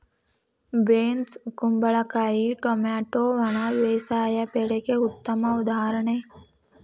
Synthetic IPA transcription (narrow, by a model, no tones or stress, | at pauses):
beːnskumbɐɭakajiʈomaːʈoʋɐɳ̃aʋeːsaːjapeɽekeut̪ːɐmɐud̪aːɾəɳe